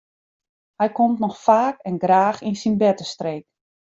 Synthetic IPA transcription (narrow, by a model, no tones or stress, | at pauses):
hɛjkɔmtnɔxfaːkɛnɡraːxinsinbɛtəstreːk̚